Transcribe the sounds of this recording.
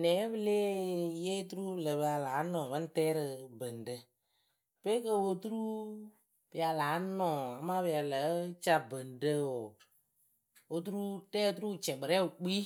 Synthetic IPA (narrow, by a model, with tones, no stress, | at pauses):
nɛ˨˦bə˦le˦je˦tu˦ɾu˦˨lə˨bə˨ja˨laː˨˦nɔ˨bə˦n˦tɛː˦ɾə˧bə˨ndə˨ | pe˦kə˦wo˧tu˦ɾu˦ | b̥ə˨a˨laː˨˦nɔ˨a˨ma˦bə˨ja˨lə˨˦t͡ʃa˦bə˨ndə˦o˨ | o˧tu˦ɾu˦tɛː˦tu˦ɾu˦˨t͡ʃɛ˨ɡ͡bɨ˨ɾɛ˦ʊ˨k͡pi˦